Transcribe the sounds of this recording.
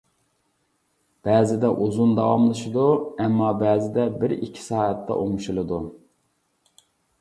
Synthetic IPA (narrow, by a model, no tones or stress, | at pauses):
b̥ɛːzɪd̪ɛʔuzund̪ɑwɑmlˠɨʃid̪uɛmːɑbæːzɪd̪ɛbɪɾikʲʰːi̥sɑːɛt̪ʰːɛ̰ʔoŋʃulˠɨd̪u